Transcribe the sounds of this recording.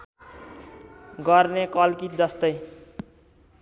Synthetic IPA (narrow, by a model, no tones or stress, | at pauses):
ɡʌrnekʌlkit̪̚d͡zʌst̪ʌj